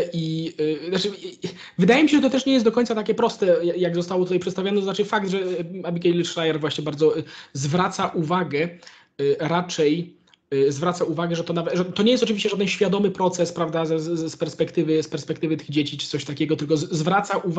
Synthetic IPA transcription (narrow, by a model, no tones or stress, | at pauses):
ʔiznat͡ʂɘ | vɘd̪ajɛmʲiɕɛʐɛt̪ɔt̪ɛʂɲɛjɛst̪d̪ɔkɔɲt̪sat̪akʲɛpɾɔst̪ɛjajaɡzɔst̪awɔt̪ut̪ajpʂɛt̪st̪avʲanɛt̪ɔznat͡ʂɘfak̚d̪ʐɛabʲikɛlʂɾajɛɾvwaɕɲɛbaɾd̪zɔzvɾat̪saʔuvaɡɛ | ɾat͡ʂɛj | zvɾat̪sauvaɡɛʐɛt̪ɔnavɛt̪ʐɛt̪ɔɲejɛst̪ɔt͡ʂɨvʲiɕt͡ɕɛʐad̪ɛnɕfʲjad̪ɔmɘpɾɔt̪sɛspɾavd̪azɛspɛɾspɛkt̪ɘvɘspɛɾspɛkt̪ɘvɘt̪ɘɣd͡ʑet͡ɕit͡ʂɘ̥sɔɕt̪akʲɛɡɔt̪ɘlk̬ɔzvɾat̪saʔuv